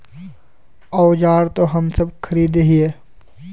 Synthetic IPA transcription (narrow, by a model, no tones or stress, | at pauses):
ɔːd͡ʒaːɾt̪oɦɐmsəbkʰəɾiːd̪eɦieː